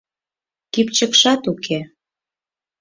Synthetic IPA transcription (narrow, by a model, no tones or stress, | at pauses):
kipt͡ɕəkʃɑt̪ukʰe